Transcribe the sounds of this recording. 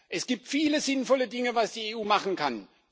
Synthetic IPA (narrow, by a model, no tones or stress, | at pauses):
ʔɛsɡ̥iːp̚tfiːləzɪnfɔlədɪŋəvasd̥iːeːʔuːmaχn̩kʰan